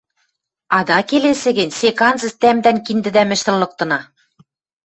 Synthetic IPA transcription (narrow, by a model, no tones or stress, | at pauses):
ɑd̪ɑkelesɘ̆ɡɘ̆nʲsekɑnzɤ̆st̪æmd̪ænkind̪ɘ̆d̪æmɘ̆ʃt̪ə̆lːɤ̆k̚t̪ɤ̆nɑ